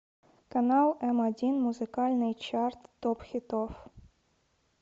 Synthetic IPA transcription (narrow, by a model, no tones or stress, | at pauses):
kɐnɑlˠɛmɐdʲinmuzɨkalʲnɨjt͡ʃart̪ːopxʲit̪of